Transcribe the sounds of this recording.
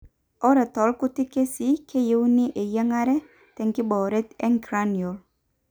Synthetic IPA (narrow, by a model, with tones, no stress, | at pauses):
ɔ˦ɾɛ˨t̪ɔ˨lkʊ˦t̪ɪ˦ke˦si˦kʰe˦je˦wnɪ˦ʔe˨jɛ˦ŋa˦ɾɛ˦ | t̪ɛ˨ŋkɪ˦bɔ˨ɾɛ˦t̪ɛ˦ŋkɾanjo˨l